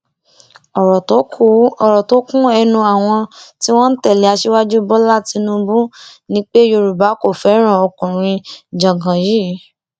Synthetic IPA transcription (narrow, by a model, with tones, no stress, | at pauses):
ɔ˨ɾɔ˨to˨˦kũ˦ɛ˧nũ˧a˨w̃ɔ̃˧ti˦w̃ɔ̃˦n̩˦tɛ˦˨le˨˦a˧ʃe˦wa˦d͡ʒu˦bɔ˦la˦ti˧nũ˧bũ˦nĩ˦k͡pe˦jo˧ɾu˨ba˨˦ko˦˨fɛ˨˦ɾ̃ã˦˨ɔ˧kũ˨ɾ̃ĩ˧d͡ʒã˨ɡã˨jiː˦